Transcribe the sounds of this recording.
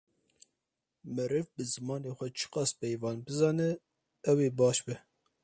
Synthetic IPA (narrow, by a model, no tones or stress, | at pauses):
mɨɾɨvbɨzɨmɑːneːxʷɛt͡ʃʰɨ̥qɑspɛjvɑːnbɨzɑːnɛ | ɛweːbɑːʃbɛ